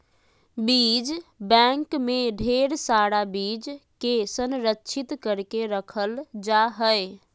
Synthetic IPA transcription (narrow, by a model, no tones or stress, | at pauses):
bid͡ʒbɛ̃ŋkmeɖʱeɾsaɽabid͡ʒkesənɾəkːt͡ʃʰit̪kəɾkeɾəkʰəld͡ʒaɦəj